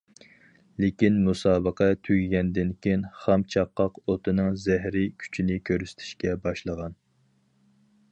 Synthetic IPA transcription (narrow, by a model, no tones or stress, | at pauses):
lekʲinmusɑːbəqʰɛt̪ʰyɡʲɡʲɛnd̪ɪnkʲʰejnχɑmt͡ʃʰɑqːɑqot̪ʰɨnɨŋzɛɦɾɪkʲʰy̥t͡ʃʰinɪkʲʰøɾysɪ̥t̪ʰɪ̥ʃkʲɛbɑʃlˠəʁɑn